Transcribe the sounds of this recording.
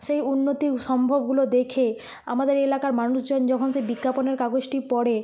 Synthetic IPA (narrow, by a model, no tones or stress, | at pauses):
ʃejunːot̪iʃɔmbʱobɡulod̪ekʰe | a̰mad̪eɾelakaɾmanuʃd͡ʑond͡ʑɔkʰonʃejbikːaponeɾkaɡosʈipɔɽe